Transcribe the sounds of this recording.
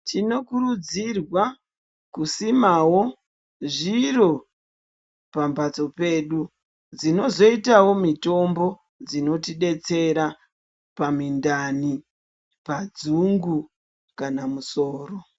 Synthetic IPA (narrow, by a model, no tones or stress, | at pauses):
tino̞kuɾud͡zirwa | kusimawo̞ | ʐiro̞ | pambat͡so̞pe̞ːɗu | d͡zino̞zo̞itawo̞mito̞mbo̞ | d͡zino̞tiɗe̞t͡se̞ɾa | pamindani | pad͡zuŋɡu | kanamuso̞ːro̞